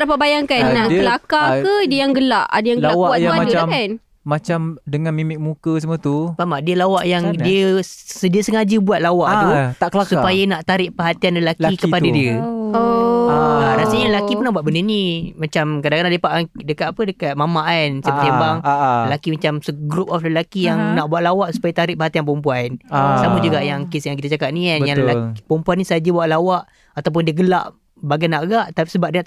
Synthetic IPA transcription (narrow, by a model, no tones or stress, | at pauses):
ɾapabajaŋkannːaʔkəlakakədəjaŋɡəlaʔa̰dəjãŋɡawkwatadəaan | mat͡ʃamdəŋanmimɪk̚mukəs̬əmət̪umamaʔdiəlawaʔjaŋdiəsədiəsəŋad͡ʒəbuat̪̚lawaʔ̪ut̪akəlasupajanaʔt̪aɾɪʔpəɦat̪ianləlakikəpadadiəoalaɾasəɲalakipərnahbuwat̪̚bənənĩmat͡ʃamkadaʔkadãləpaʔdəkat̪apədəkat̪̚mamaʔansəbət̪imbaŋəlakimat͡ʃamsəɡɾup̚ɔfləlakijaŋnaʔbuat̪̚lawaʔsu̥pajat̪aɾɪʔ̚pəɦat̪ianpəumpuansamud͡ʒuɡaʔjaŋkisjaŋkit̪at͡ʃakaʔ̚nianjaŋləlapəumpuanːisaad͡ʒabuaʔ̪̚lawaʔ | at̪awp̬ʊndiəɡəlaʔ | baɡajnaʔkəɡaʔt̪apisəbap̚dəa